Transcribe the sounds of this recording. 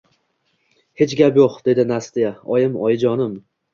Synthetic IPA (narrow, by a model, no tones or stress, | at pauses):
he̞t͡ʃɡʲapjoqd̪e̞d̪ɪnast̪ijaɒjɪmɒjɪd͡ʒɒnɪm